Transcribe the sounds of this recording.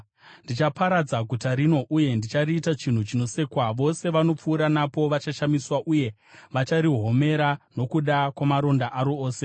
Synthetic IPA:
ndit͡ʃapaɾad͡zaɡʱutaɾino̞ʔuje̞ndit͡ʃariːtat͡ʃin̤ut͡ʃino̞se̞ːkwaʋo̞se̞ʋano̞p͡fuːɾanapo̞ʋat͡ʃaʃamiswaʔuje̞ | ʋat͡ʃaɾiɦo̞me̞ɾano̞kuɗakwamaɾo̞ndaʔaɾoːse̞

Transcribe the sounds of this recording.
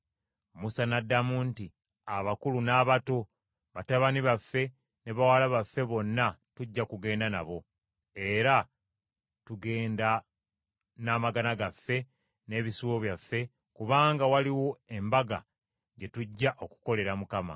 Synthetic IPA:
musanadːamunti | aβakulunaːβato̞ | βataβaniβafːe̞ | neβawalaβafːe̞βo̞nːatuɟːakuɡe̞ːndana̰βo̞ | e̞ɾa | tuɡe̞ːnda | namaɡanaɡafːe̞ | ne̞ːβisuwo̞βjafːe̞ | kuβaːŋɡawaliwo̞e̞mbaɡa̰ | ɲɟe̞tuɟːaʔo̞ku̥ko̞le̞ɾamukama̰

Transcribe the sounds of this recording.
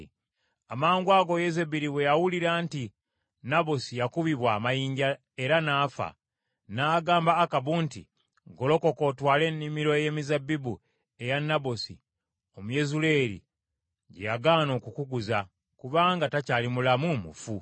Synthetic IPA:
amaːŋɡwaːɡo̞jezebiɾiwe̞jawuliɾanti | nabosijakuβiβwaːmajiːɲɟa | e̞ɾanaːfa̰ | naːɡaːmbaːkaβuntḭ | ɡo̞lo̞ko̞ko̞twaːle̞nːimiɾo̞je̞mizabːibu | e̞janːabosḭ | o̞muje̞zuleːɾḭ | ɟejaɡaːno̞ːkukuɡuza | kuβaːŋɡatacaːlimulamumṵfu

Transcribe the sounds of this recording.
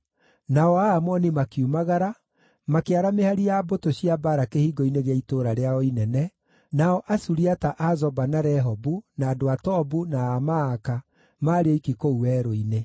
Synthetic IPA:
naɔamɔnimakiumaɣaɾa | makeaɾamehaɾijabotoɕiabaɾakehiɡɔineɣeaitoːɾaɾeaɔinɛnɛ | naɔʔasuɾiataʔazɔbanaɾɛɦɔbunaːdoatɔbunaːmaːka | maːɾeoikikouɛːɾoine

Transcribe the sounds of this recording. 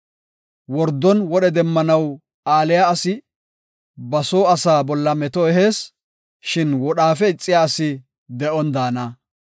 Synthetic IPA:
wɔɾd̪ːɔnwɔɗɛd̪ɛmːɐnɐw | aːlɪjaɐsɪ | bɐsoːɐsaːbɔlːɐmɛt̪ɔɛɦe̞ːs | ʃɪnwɔɗaːfɛɪt͡sʼːɪjaːsɪ | d̪ɛʔɔnd̪aːnɐ

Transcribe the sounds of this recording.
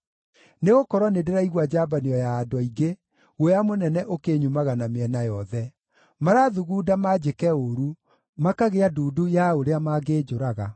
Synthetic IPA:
neɣokɔɾwɔnedeɾaiɣwad͡ʑabaniɔjaːdɔiɡe | ɣojamonɛnɛʔokeɲumaɣanameɛnajɔðɛ | maɾaðuɣuːdamad͡ʑekɛoɾu | makaɣeaduːdujaoɾeamaɡeːd͡ʑoɾaɣa̰

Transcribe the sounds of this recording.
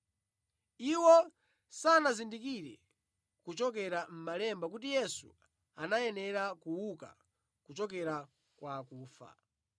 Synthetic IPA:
iwɔ | sanazindikiɾɛ | kut͡ʃɔk̬ɛɾam̩malɛmbakut̬ijɛsṵ | anajɛnɛɾakuwuka̰ | kut͡ʃɔk̬ɛɾa | kwakuːfa̰

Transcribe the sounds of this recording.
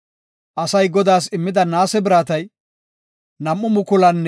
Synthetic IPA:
ʔɐsɐjɡɔd̪aːs̬ɪmːɪd̪ɐnaːsɛbɪɾaːt̪ɐj | nɐmʔːʊmʊkʊlɐnː

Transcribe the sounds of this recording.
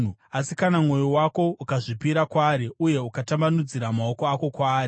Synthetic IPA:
asikanamŋo̞jowako̞ukaʐipiɾakwaːɾeuje̞ukatambanud͡ziɾamao̞koako̞kwaːɾe

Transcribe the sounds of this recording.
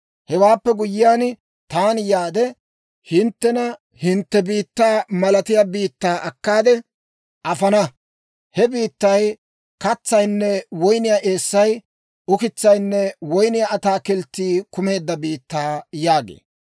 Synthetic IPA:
hɛwaːpːɛɡʊjːɪjaːn | t̪aːnjaːd̪ɛ | hɪnt̪ːɛnɐ | hɪnt̪ːɛbiːt̪ːaːmɐlɐt̪ɪjaːbiːt̪ːaːʔɐkːaːd̪ɛ | ʔɐfɐnɐ | hɛbiːt̪ːɐj | kɐt͡sːɐjnːɛwɔjnɪjaːʔe̞ːsːɐj | ʊkɪt͡sːɐjnːɛwɔjnɪjaɐt̪aːkɪlt̪ːiːkʊme̞ːd̪ːɐbiːt̪ːaːjaːɡḛː

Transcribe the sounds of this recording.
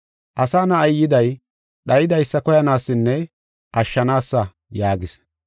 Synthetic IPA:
ʔɐsaːnɐɐjjːɪd̪ɐj | ɗɐjɪd̪ɐjsːɐkɔjɐnaːsːɪnːɛ | ʔɐʃːɐnaːsːɐ | jaːɡɪs

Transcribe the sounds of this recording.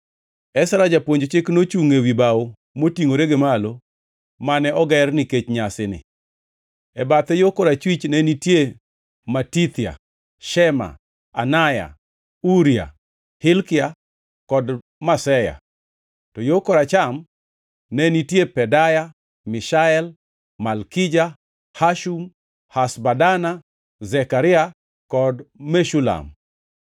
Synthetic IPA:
ɛsaɾad͡ʒapwoɲd͡ʒot͡ʃɪknot͡ʃuŋewibawo | motiŋoɾeɡemalo | manɛɔɡɛrniket͡ʃɲasɪnɪ̰ | ɛbat̪ɛjokoɾat͡ʃwit͡ʃnɛnitje | matit̪ɪa̰ | ʃɛma̰ | anaja̰ | uɾia̰ | hɪlkɪa | kɔd | masɛja̰ | tɔjokoɾat͡ʃam | nenitjepɛdaja | miʃaɛl | malkid͡ʒa | haʃum | hasbadana | zɛkaɾɪa | kɔdmeʃula̰m

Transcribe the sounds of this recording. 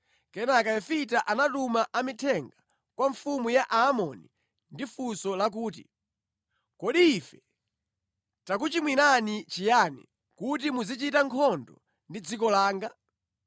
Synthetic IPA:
kɛnakaɛfitaʔanatumaʔamitʰɛŋɡa | kwaɱfumujaʔaːmɔni | ndifusɔlak̬uːt̬ḭ | kɔɗiːfɛ | tak̬ut͡ʃimwinanit͡ʃijanḭ | kut̬imuzit͡ʃitaŋkʰɔndɔ | ndid͡zikɔlaːŋɡa

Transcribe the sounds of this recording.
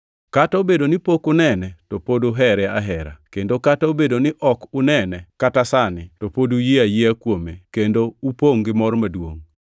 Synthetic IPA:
kataobedonɪpokʊnɛnɛtopodoɦɛɾɛaɦɛɾa̰kendokataobedonɪʔɔkʊnɛnɛkatasanɪtopodujiajiakwomekendoupoŋɡɪmɔrmadwo̰ŋ

